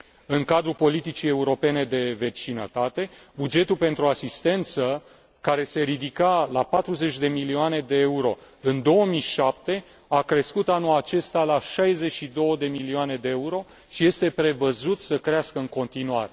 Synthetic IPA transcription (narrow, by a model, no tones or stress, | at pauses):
ɨŋkad̪ɾupo̞lit̪it͡ʃije̞uɾo̞pe̞ne̞d̪e̞ve̞t͡ʃinə̰t̪at̪e̞bud͡ʒe̞t̪ulpe̞nt̪ɾuasist̪e̞nt̪sə | kaɾe̞se̞ɾid̪ikalapat̪ɾuze̞t͡ʃʲd̪e̞milioane̞d̪e̞euɾo̞ | ɨnd̪o̞wəmiʃap̚t̪e̞ | akɾe̞skut̪anulat͡ʃe̞st̪alaʃajze̞t͡ʃːid̪o̞wəd̪e̞milioane̞d̪e̞euɾo̞ | ʃije̞st̪e̞pɾe̞vəzut̪səkɾeaskəɨŋko̞nt̪inuaɾe̞